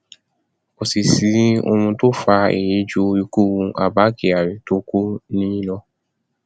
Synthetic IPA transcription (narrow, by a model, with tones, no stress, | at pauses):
o˨si˨si˨˦o̰˧mũ˧to˦fa˧ḛ˨je˨˦d͡ʒu˦i˧ku˦˨ũ˧ʔa̰˨ba˨˦ke˨a˨ɾi˨to˦ko˦nĩ˦lɔ˧